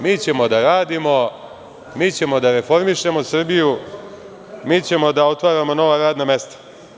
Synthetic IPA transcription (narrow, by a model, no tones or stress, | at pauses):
miːt͡ɕe̞mo̞d̪aɾaːd̪imo̞ | miːt͡ɕe̞mo̞d̪aɾe̞fo̞ɾmiʃe̞mo̞sr̩biju | miːt͡ɕe̞mo̞d̪ao̞t̪ʋaːɾamo̞no̞ʋaɾaːd̪name̞st̪ḁ